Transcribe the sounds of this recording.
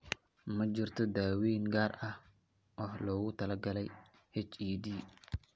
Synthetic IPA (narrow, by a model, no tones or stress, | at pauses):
mɐd͡ʒɪrt̪ʰɔd̪aːwiːŋɡaːrɐh | ʔɔːhlɔːɣʊt̪ʰɐlɐɡɐlɛj | hɛt͡ʃiːd̪iː